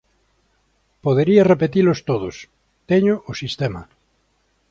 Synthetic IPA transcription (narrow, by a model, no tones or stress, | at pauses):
poðeɾiarepet̪ilost̪oðos | t̪eɲoʔosist̪ema̰